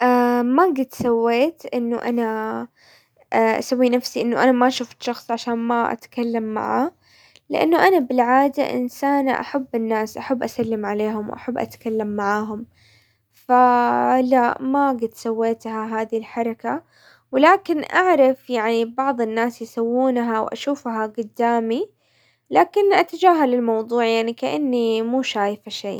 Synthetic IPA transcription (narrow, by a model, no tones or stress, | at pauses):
ʔamaɡɪt̪sawːeːt̪ʔɪnːʊ̰ʔana | aʔa̰sawːinafsiʔɪnːʊʔanamaʔʃuːft̪ʃɑxsˤʕaʃaːnmaʔa̰t̪kalːamːa̰ʕa | lɪʔa̰nːʊʔanabɪlʕaːd̪a̰ʔɪ̰nsaːnʔa̰ħabːɪnːaːsʔaħabːʔasalːɪmʕaleːɦʊmwʔa̰ħabːʔa̰t̪kalːamːaʕaːɦʊm | falaʔmaɡɪd̪sawːeːt̪haɦaːðilħɑɾˤɑka | wɪlaːkɪnʔaʕɾˤɑfjaʕnibɑʕðˤɪnːaːsjsawːuːnɦawʔa̰ʃuːfhaɡʊd̪ːaːmi | laːkɪnʔat̪ad͡ʒaːɦalɪlmɑwðˤuːʕjaʕnikaʔanːimuːʃaːjfaʃḛː